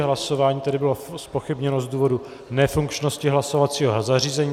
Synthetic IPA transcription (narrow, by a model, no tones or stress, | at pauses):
ɦlasovaːɲiːt̪ɛdɪbɪlospo̞xɪbɲɛnozduːvo̞du | nɛfuŋkt͡ʃno̞scɪɦlasovat͡siːɦozariːzɛɲiː